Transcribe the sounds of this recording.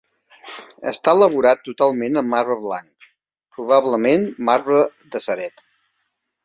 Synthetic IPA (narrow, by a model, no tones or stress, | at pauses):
ə̰st̪aələβ̞uɾat̪ːut̪alˠmenəmːarβəβla̰ŋk | pɾuβ̞aβləmenmarβəðəsəɾɛt̪